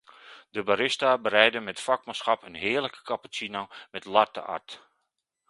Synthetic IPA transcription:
dəbaɾɪstabəɾɛjdəmɛtfakmasxɑpənɦɪːəɹləkə̥kapət͡sinamɛtlartə̰ʔa̰rt

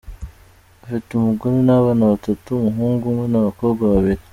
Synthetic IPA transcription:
afitumuɡuninaβanaβatatumuɦuːŋɡumwenaβakoɡaβaβiɾi

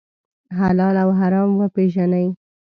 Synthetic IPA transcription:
ɦalɑlawɦaɾɑmwəpeʒanəj

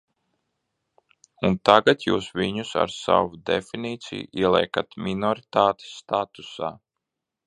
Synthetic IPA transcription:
unt̪aɡat̪juːsʋiɲusa̰ɾsa̰wud̪ḛfiniːt̪sḭjṵiɛlˠɛɛkat̪minɔɾit̪aːt̪i̥sːt̪at̪usa̰ː

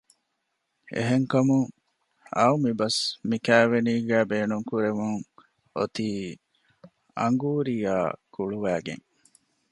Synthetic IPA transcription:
ʔḛɦeŋkɐmuŋ | ɐ̰umibɐsmikæːʋeniːɡæːbeːnuŋkuɾemuŋ | ot̪iː | ɐ̰ŋɡuːɾija̰ːkuɭuʋæːɡḛŋ

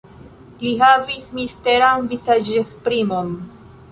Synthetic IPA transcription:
liɦavismiste̞ɾanvizad͡ʒespɾimon

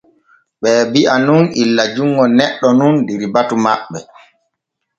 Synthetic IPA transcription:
ɓɛːbiʔanunilːad͡ʒuŋɡɔnɛɗːɔnundiɾibatuma̰ɓːɛ

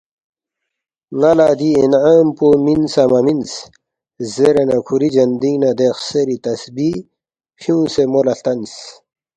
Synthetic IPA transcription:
nalaːd̪iinaːmpominsɐmɐmins | zeɾenɐkʰuɾid͡ʑɐnd̪inɐd̪exseɾit̪ɐsbi | hjũːsemolɐɬt̪ɐns

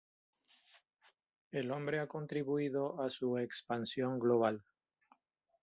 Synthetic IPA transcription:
elõ̞mbɾeako̞nt̪ɾiβuiðoasuekspansjoŋɡloβ̞al

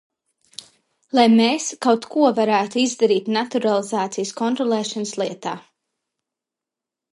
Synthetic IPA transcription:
lˠajmeːskawt̪kʰuɔvaɾæːt̪uizd̪aɾiːt̪nat̪uɾalˠizaːt̪sijskɔnt̪ɾɔlˠɛːʃanslˠiɛt̪aː

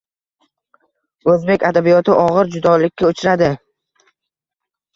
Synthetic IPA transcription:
ɵzbe̞kʲad̪abijɒt̪ʰɪʔɒʁɨɾd͡ʒʊd̪ɒlɪkʲːaʊt͡ʃʰɾad̪ɪ

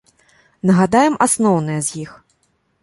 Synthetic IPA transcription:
nɐɣad̪ajɛmasnɔwnɨjɐzʲjix

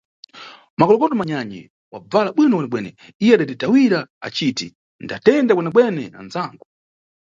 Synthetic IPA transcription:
makɔlɔkɔtɔmaɲaɲɛ̰ | wa̰b͡valaɓwinɔwɛnɛɓwɛnɛ̰ | ijɛaɗaditawiɾaa̰t͡ʃiti | ndatɛndakwɛnɛɓwɛnɛna̰nzaːŋɡɔ

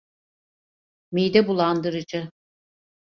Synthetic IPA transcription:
mijd̪ɛbulˠand̪ɯɾɯd͡ʒɯ

